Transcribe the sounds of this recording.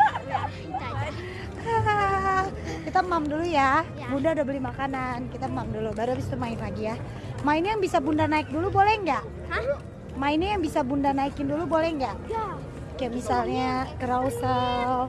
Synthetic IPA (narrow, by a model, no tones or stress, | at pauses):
ə | kit̪amamduluja | bundaudabəlimakanankit̪amamdulubaɾuabɪst̪umaɪnlaɡija | mainjaŋbisabundanaɪk̚dulubolɛhŋɡaʔ | mainajaŋbisabundanaikɪndulubolɛŋɡaʔ | kajaʔmisalɲakəɾausal